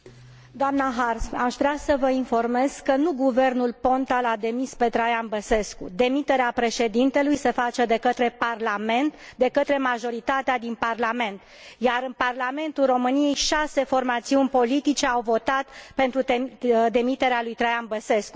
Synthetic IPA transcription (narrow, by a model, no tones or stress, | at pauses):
d̪oamnaɦarsaʃvɾeasəvəinfo̞rme̞z̥kənuɡuve̞rnulpo̞nt̪alad̪e̞mispe̞t̪ɾajanbəse̞skṵd̪e̞mit̪eɾeapɾe̞ʃe̞d̪int̪e̞lujse̞fat͡ʃe̞d̪e̞kət̪ɾe̞parlame̞nt̪d̪e̞kət̪ɾe̞maʒo̞ɾit̪at̪ead̪inparlame̞nt̪ | jaɾɨnparlame̞nt̪ulro̞mɨnije̞jʃase̞fo̞rmat̪siunʲpo̞lit̪it͡ʃe̞awvo̞t̪at̪pe̞nt̪ɾued̪e̞mit̪e̞ɾealujt̪ɾajanbəse̞sku